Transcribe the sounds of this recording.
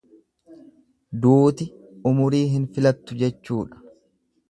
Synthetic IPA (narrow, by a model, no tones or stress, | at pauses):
d̪uːt̪ɪ | ʊmʊɾiːɦɪnfɪlɐt̪ːʊd͡ʒɛt͡ʃːuːᶑɐ̥